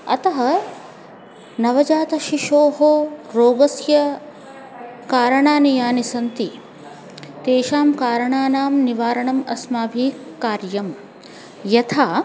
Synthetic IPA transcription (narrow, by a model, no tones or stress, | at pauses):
ɐ̰t̪ɐɦɐ | nɐʋɐd͡ʒaːt̪ɐʃiʃoːɦoːɾoːɡɐsjɐ | kaːɾɐɳaːnijaːnisɐnt̪i | t̪eːʃaːmkaːɾɐɳaːnaːmniʋaːɾɐɳɐmɐsmaːbʱiːkkːaːɾjɐm | jɐt̪ʰaː